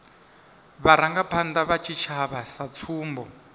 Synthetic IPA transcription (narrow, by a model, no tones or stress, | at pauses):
βaɾaŋɡapʰandaβat͡ʃʰit͡ʃʰaβasat͡sʰuːmbɔ